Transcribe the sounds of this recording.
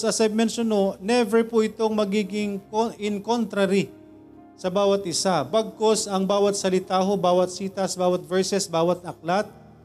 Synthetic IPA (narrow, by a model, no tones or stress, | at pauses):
sɐsab̚mɛnʃononɛvɛpʊʔɪt̪o̞ŋmɐɡiːɡɪŋkoʔɪŋkont̪ɾɐɾi | sɐbaːwɐt̪ʔɪsabɐɡ̚kosɐŋbaːwɐt̪̚sɐlɪt̪aːɦobaːwɐt̪̚siːt̪ɐsbaːwɐt̪̚vɛɹsɛsbaːwɐt̪̚ʔɐk̚lat̪̚